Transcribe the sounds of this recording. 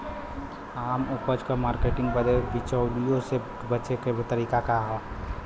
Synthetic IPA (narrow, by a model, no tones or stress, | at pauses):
aːmʊpəd͡ʒkamaːɾkeːʈɪ̃ŋɡ̚bəd̪ebɪt͡ʃəːlijõse | bət͡ʃekebt̪əɾiːkakaɦɛ